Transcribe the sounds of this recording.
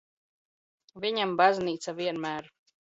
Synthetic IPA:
vʲiɲambazʲniːt̪saviɛnmæːɾ

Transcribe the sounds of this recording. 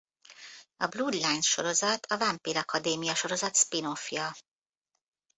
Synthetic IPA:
ɒbluːd̪lajnʃo̞ɾo̞zɒt̪ʰɒvɒmpiːɾɒkɒd̪eːmijɒʃo̞ɾo̞zɒt̪spinofjɒ

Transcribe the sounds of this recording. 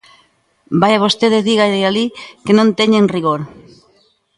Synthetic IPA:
bajaβ̞ost̪eðezðiɣaealikenõnt̪eɲeŋriɣoɾ

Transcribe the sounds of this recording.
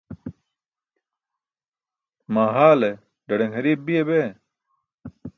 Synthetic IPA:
maːɦaːle | ɖɐɽeŋhɐɾiːb̚bijebe

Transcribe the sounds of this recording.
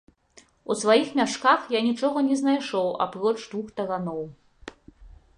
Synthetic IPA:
usvajixmʲaʂkaxjanʲit͡ʂɔɣɐnʲɛznajʂɔwa̰pɾɔt͡ʂd̪vuxt̪ɐɣanɔw

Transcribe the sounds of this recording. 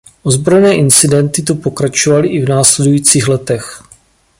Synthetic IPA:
ʔozbɾojnɛːʔɪnt͡sɪdɛnt̪ɪt̪upo̞kɾat͡ʃovalɪʔɪvnaːslɛdujiːt͡siːxlɛt̪ɛx

